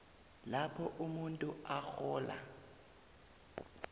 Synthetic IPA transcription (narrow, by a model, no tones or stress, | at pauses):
lapʰɔʔumuntʼʊak͡xʰɔːla̰